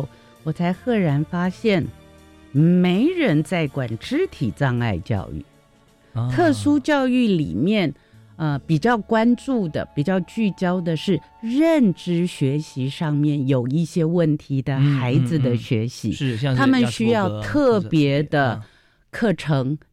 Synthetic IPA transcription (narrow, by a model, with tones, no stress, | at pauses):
wɔ˨˩t͡sʰa˧˥ɪxɤ˥˩ɻa˧˥nfa˥ɕjɛ˥˩n | me˧˥ɪɻə˧˥nt͡sa˥˩ɪkwa˨˩nʈ͡ʂɻ̩˥t̪ʰi˨˩t͡sɑ˥˧ŋa̰˥˧ɪt͡ɕjɑ̰˥˧ʊy̰˥˩ | t̪ʰɤ˥˩sʂu˥t͡ɕjɑ˥˧ʊy˥˩lḭ˨˩mjɛ˥˩n | ə˧pi˨˩t͡ɕjɑ˥˩ʊkwa˥nʈ͡ʂu˥˩d̪ə̰˩pi˨˩t͡ɕjɑ˥˧ʊt͡ɕy˥˩t͡ɕjɑ˥ʊd̪ə˨ʂɻ̩˥˧ | ɻə˥˩nʈ͡ʂɻ̩˥ɕɥɛ˧˥ɕi˧˥ʂɑ˥˧ŋmjɛ˥˩njo˨˩ʊi˥˩ɕjɛ˥wə˥˩nt̪ʰi˧˥d̪ə˧xa˧˥ɪd͡zɹ̩˧d̪ə˨ɕɥɛ˧˥ɕḭ˧˥t̪ʰa˥mə˨nɕy˥jɑ˥˧ʊt̪ʰɤ˥˩pjɛ˧˥d̪ə˧ | kʰɤ˥˩ʈ͡ʂʰɤ˧˥ŋ